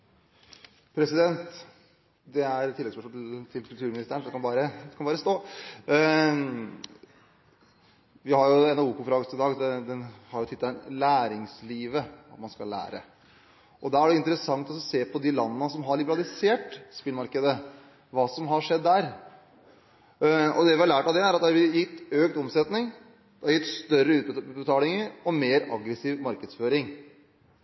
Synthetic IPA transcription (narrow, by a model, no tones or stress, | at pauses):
pʰɾɛsɪd̪ɛnt̪ | d̪ɛæɾt̪ɪlːɛɡspœʂt̪ʰɪlkʰʉlt̪ʉːɾmɪnɪst̪əɳɔd̪ɛkɑnbɑːɾəɛkʰɑnbɑːɾəst̪oː | ʋɪhɑɾjʊɛnɑuːkʊfɾɑːɡəsɪd̪ɑːɡd̪ɛd̪ɛnhɑɾjʊt̪ʰɪt̪ːɑlæːɾɪŋsliːʋəɑt̪mɑnskɑlːæ̰ːɾə̰ | ʔɔd̪æɾæɖɛɪnt̪əɾəsɑŋt̪ɔsseːpʰɔd̪ɪlɑnːənəsɔmɦɑɭɪbəɾɑlɪseːʈspɪlmɑɾkəd̪ə | ʋɑːsɔmɦɑʂɛd̪ːæɾ | ɔ̰d̪ɛʋɪhɑlæːʈɑʋd̪ɛæɾɑt̪̚d̪ɛɑɾʋɪjɪt̪ːøːk̚t̪ɔmsɛt̪nɪŋ | d̪̥ɛɑɾjɪt̪ːst̪œɾəʉːt̪ːt̪bət̪ʰɑːlɪŋəɾɔmeːɾɑɡɾəsiːʋmɑɾkəd̪sføːɾɪŋ